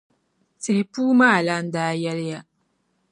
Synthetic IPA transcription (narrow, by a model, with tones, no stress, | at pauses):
se˨hpuː˦maː˦˨la˦n̩˦daː˦jɛ˦lja˦